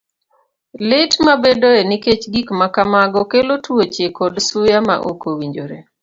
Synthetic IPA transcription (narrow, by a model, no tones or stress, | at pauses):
lɪtmabedoɛniket͡ʃɡikmakamaɡɔkelotwot͡ʃekɔdsʊjama̰ʔo̰kowiɲd͡ʒoɾe